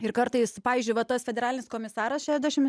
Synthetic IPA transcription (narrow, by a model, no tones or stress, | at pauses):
ɪɾkɐɾt̪ɐɪspɑːʋʲiːzʲd͡ʒʲʊɪʋɐt̪ɐsfʲɛd̪ʲɛɾɑːlʲɪnʲɪskoːmʲɪsɑːɾɐsʃʲæːʒʲd̪ʲæʃʲɪm